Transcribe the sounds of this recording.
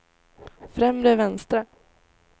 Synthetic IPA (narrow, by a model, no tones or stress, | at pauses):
fɾɛmɾəvɛnst̪ɾa